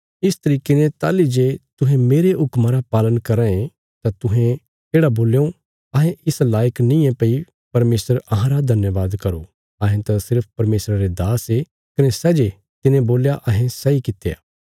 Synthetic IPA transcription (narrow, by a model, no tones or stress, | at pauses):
ɪst̪ɐɾiːkenẽt̪a̰ːlid͡ʒet̪ʊɦẽmeːɾeʊkmãɾapaːlənkɐɾãẽ | t̪at̪ʊɦẽ | eːɽaboːljõ | ɐɦẽɪslaːjəknɪ̃jẽpɐi | pɐɾmeːsəɾɐɦãɾad̪ʱɐnjəʋaːd̪kɐɾo | ɐɦẽt̪asɪɾpʰpɐɾmeːsɾaɾed̪aːse | kɐnesɛd͡ʒe | t̪ɪnẽboːljaʔɐɦẽsɐikɪt̪ːeja̰ː